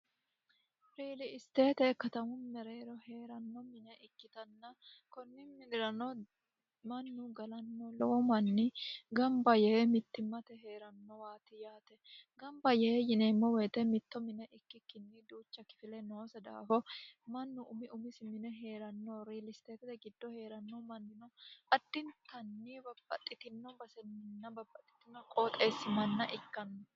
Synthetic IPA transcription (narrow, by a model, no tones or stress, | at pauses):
ɾiːlɪɪst̪eːt̪ɛkɐt̪ɐmʊmɛɾeːɾɔheːɾɐnːɔmɪnɛʔɪkːɪt̪ɐnːɐkɔnːɪmɪnɪɾɐnɔ | mɐnːʊɡɐlɐnːɔlɔwɔmɐnːɪɡɐmbɐjɛmɪt̪ːɪmːɐt̪ɛɦe̞ːɾɐnːɔwaːt̪ɪjaːt̪ɛɡɐmbɐjɛjɪneːmːɔweːt̪ɛmɪt̪ːɔmɪnɛʔɪkːɪkːɪnːɪd̪uːt͡ʃːɐkɪ̥fɪlɛnoːsɐd̪a̰ːfɔmɐnːʊʔʊmɪʔʊmɪsɪmɪnɛɦe̞ːɾɐnːoːɾilɪst̪eːkɪt̪ɛɡɪd̪ːɔhe̞ːɾɐnːɔmɐnːɪnɔɐd̪̥ːɪnt̪ɐnːiːbɐbːɐt̪ʼːɪt̪ɪnːɔbɐsɛnːɪnːɐbɐbːɐt̪ʼːɪ̥t̪ɪnːɔkʼoːt̪ʼeːsːɪmɐnːɐʔɪkːɐnːɔ